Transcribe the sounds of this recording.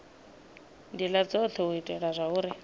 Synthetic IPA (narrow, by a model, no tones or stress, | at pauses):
dilat͡sɔtʰɔʊitʼɛɺazʷaʊːɾɪ